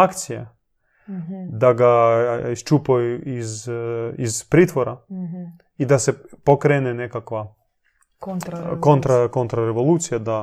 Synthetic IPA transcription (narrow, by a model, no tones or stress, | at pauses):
akt̪sija | d̪aɡaist͡ʃupojuiz | izpɾiːt̪ʋoɾa | id̪asepokɾenenekakʋa | kont̪ɾakont̪ɾaɾeʋo̞lˠuːt̪sijad̪a